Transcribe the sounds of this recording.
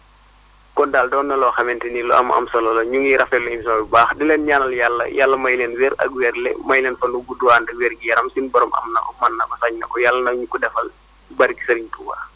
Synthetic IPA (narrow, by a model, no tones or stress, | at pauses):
kɔndaːldɔːnːɐlɔxɐmɛntinilɔɐ̰mʔɐ̰msɐlɐlɐɲuŋjiɾɐfɛlːɔinsɔbibaːxdilɛnɲanɐljalːɐ̰jalːɐmɐjlɛnwɛːɾɐ̰k̚wɛɾlɛ̰mɐjlɛnfɐnubuduwaːndɐwɛːɾɡijɐɾɐmsinbɔɾɔmʔɐ̰mnɐ̰kɔmɐnːɐkɔsaɲnɐkɔjalːɐnɐwɲukɔdɛfɐl | bɐɾki̥sɐɾiɲtuwa̰